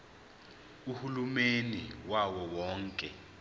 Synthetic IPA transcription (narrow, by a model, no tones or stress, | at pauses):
uhulumeniwawɔwɔːŋkʼɛ